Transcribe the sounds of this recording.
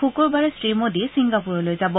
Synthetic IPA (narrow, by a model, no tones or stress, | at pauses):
ukɔɹbaɹɛsɹimodisiŋɡapuɹɔlojzabɔ